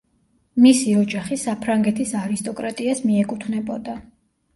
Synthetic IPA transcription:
misiɔd͡ʒaχisapʰɾaŋɡɛt̪ʰisaɾist̪ʼɔkʼɾat̪ʼiasmiɛkʼut̪ʰnɛbɔd̪a

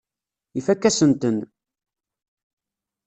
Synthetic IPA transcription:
ifækːæsənt̪ən

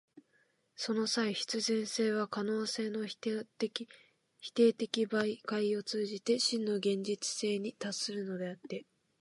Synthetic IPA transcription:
so̞no̞saiɕi̥t͡sɨzẽ̞ɰ̃se̞ːβ̞akano̞ːse̞ːno̞ | i | çi̥t̪e̞ːt̪e̞kʲibaikaio̞t͡sɨːʑit̪e̞ɕĩnːo̞ɡẽ̞ɲ̟d͡ʑit͡sɨ̥se̞ːɲ̟it̪asɨɾɯ̟no̞d̪e̞at̪ːe̞

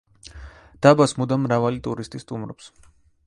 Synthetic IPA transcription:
d̪̥abasmud̪amɾavalit̪ʼuɾist̪ʼist̪ʼumɾɔ̰ps

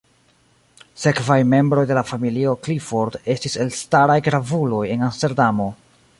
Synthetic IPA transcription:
se̞kvajme̞mbɾo̞jde̞lafamilio̞klifo̞ɾde̞stise̞lstaɾajɡɾavulo̞je̞nanste̞ɾdamo̞

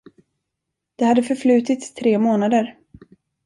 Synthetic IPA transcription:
d̪̥ɛhad̪ːəfœɾflʉ̟ːt̪ɪt̪st̪ʰɾeːmoːnad̪əɾ

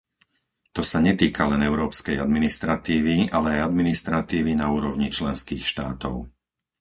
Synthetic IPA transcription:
t̪ɔsaɲɛt̪iːkʰalɛnɛʊɾɔːpskɛjad̪minist̪ɾat̪iːʋialɛajad̪minist̪ɾat̪iːʋinauːɾɔʊɲit͡ʃlɛnskiːxʃt̪aːt̪ɔʊ

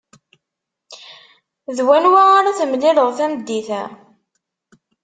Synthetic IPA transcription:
ðwænwaaɾaθmliləʁθæməd̪ːiθæ̰

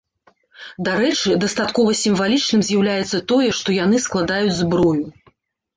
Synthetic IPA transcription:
d̪aɾɛt͡ʂɨd̪ɐst̪at̪kɔvɐsʲimvalʲit͡ʂnɨmzʲjawlʲajɛt̪sːɐt̪ɔjɛʂt̪ɔjan̪ɨsklˠad̪ajud͡zʲzbɾɔju

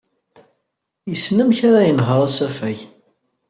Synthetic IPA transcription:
jəsːnəmçaɾajənɦəɾˤasæfæʝ

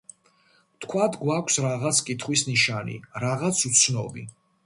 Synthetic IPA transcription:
t̪ʰkʰwat̪ʰɡwakʷʰsɾaʁat̪sʰkʼit̪ʰχwisniʃanḭɾaʁat̪sʰut̪sʰnɔ̰bḭ

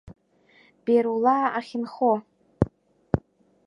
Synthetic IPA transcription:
b̥eɾulaːaχʲɪnχo

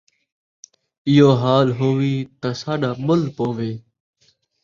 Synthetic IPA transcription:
ɪjoːɦaːlɦoːʋiːt̪aːsaːɗaːmʊlpoːʋeː

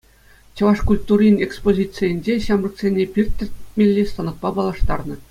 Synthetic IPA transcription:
t͡ɕɤ̆ʋɑʂkulʲt̪urʲinʲekspozʲit͡sɨjɘ̆nʲd͡ʑeɕɑmrɤ̆ksʲenʲepʲirʲt̪ʲːɘ̆rʲt̚ʲmʲelʲːist̪ɑnɤ̆t̪̚pɑpɑlˠɑʂt̪ɑrnɤ̆

